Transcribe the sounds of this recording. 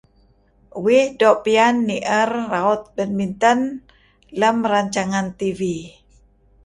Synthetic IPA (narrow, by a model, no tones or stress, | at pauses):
wɪhdɔʔpianːiʔərːaut̪̚bənmint̪ən | ləmraɲt͡ʃaŋant̪ivi